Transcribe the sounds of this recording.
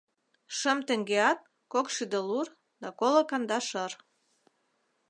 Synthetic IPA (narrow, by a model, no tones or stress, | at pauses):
ʃəmt̪ə̆ŋɡeɑt̪̚ | kokʃyd̪ə̆lur | d̪ɑkolə̆kɑnd̪ɑʃər